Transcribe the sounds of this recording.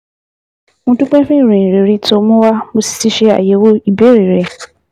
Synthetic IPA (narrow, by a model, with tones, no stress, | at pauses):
mũ˦tu˦k͡pɛ̃˦fɪ̃˦n˨ɾĩ˨ɾi˨ɾi˦tʰʊ˨˦mʊ̃˦wa˦mʊ˨si̥˨˦si˦ɕɛ˦a̰˨jɛ˨wo˦i˨be˦ɾi˨ɾɛ˨